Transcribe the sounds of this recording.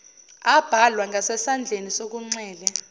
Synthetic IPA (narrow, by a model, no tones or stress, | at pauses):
ab̥ʱalwaŋʱasɛsand͡ɮʱenisok̬uŋ͡ǀɛːlɛ